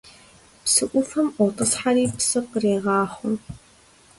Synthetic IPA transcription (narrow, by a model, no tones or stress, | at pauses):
psɨʔʷʊfɐmʔʷɔtʼɐsħaɾiːpsɨqreːʁɑːχʷʊm